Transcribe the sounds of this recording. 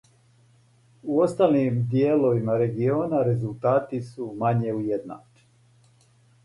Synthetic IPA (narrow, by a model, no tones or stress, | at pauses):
uo̞st̪alnimd̪jeːlo̞ʋimaɾe̞ɡio̞ːnaɾe̞zult̪aːt̪isumaɲeujed̪na̰ːt͡ʃ